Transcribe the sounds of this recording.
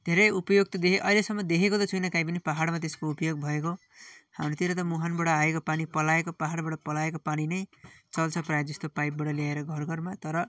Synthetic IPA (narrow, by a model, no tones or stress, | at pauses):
d̪ʱeɾʌjupʌjoɡ̚t̪ʌd̪ekʰeʔʌilesʌmːʌd̪ekʰekot̪ʌt͡sʰʌjnʌkajp̬ʌnipaɦaɽmat̪eskoupʌjoɡ̚bʱʌeko | ha̰mɾot̪iɾʌt̪̬ʌmuɦanbʌɽʌaekopanipʌlaekopaɦaɽbaɽʌpʌlaekopaninʌjt͡sʌlt͡sʰʌpraed͡zʌst̪opajp̚bʌʈʌljaeɾʌɡʱʌrɡʱʌrmat̪ʌɾʌ